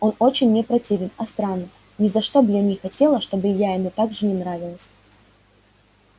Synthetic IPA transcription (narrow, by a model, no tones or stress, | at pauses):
o̞no̞t͡ɕɪnʲːɪpɾɐtʲivʲɪnɐst̪ɾanːə | nʲɪzɐʂt̪o̞bjanʲɪxɐtʲe̞lˠəʂt̪o̞bɨjajɪmut̪aɡʐɨnʲɪnɾavʲɪlˠəsʲ